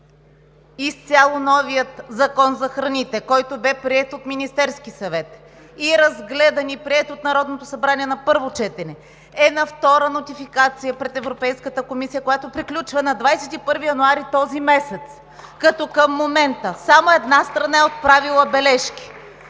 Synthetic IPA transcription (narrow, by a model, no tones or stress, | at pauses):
ist̪sʲalˠonɔvijət̪zɐkɔnzɐxɾɐnit̪ɛkɔjt̪obɛpɾiɛt̪ot̪minist̪ɛɾskisɐvɛt̪ | iɛɾɐzɡlɛd̪ɐnipɾiɛt̪ot̪nɐɾɔd̪not̪ʊsɐbɾaniɛnɐpɤɾvot͡ʃɛt̪ɛnɛ | ɛnɐft̪ɔɾənot̪ifikat̪sijəpɾɛt̪ɛvɾopɛjskət̪əkomisijəkojat̪opɾiklʲut͡ʃvɐnɐd̪vajsɛt̪ipɤɾvijɐnʊaɾit̪ɔzimɛsɛt̪s | kɐt̪ɔkɐmːomɛnt̪əsamoɛd̪nast̪ɾɐnaɛot̪̚pɾavilˠəbɛlɛʃkʲi̥